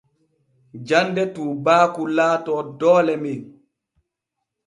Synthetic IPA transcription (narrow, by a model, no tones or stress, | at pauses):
d͡ʒandɛtuːbaːkulaːtɔdɔːlɛmi